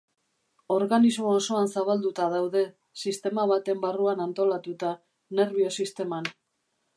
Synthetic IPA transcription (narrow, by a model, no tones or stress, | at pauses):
o̞ɾɣanizmo̞ːso̞ansaβald̪ut̪aðawðe̞ | sist̪e̞maβat̪e̞mbaruanant̪o̞lat̪ut̪a | ne̞ɾβio̞sist̪e̞man